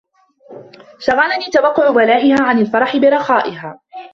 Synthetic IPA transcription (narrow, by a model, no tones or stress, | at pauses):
ʃɑɣɑːnaniːt̪awɑqːʊʕʊbalaːʔɪhaːʕanalfɑɾˤɑħɪbɪɾˤɑxɑːʔɪɦaː